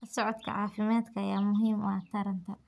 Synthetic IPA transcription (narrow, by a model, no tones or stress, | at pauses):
ɐsɔʕɔd̪kʰɐ̰ʕɑːfɪmaːd̪kʰɐːjaːmʊɦiːmat̪ʰɐɾɐnt̪ʰɐ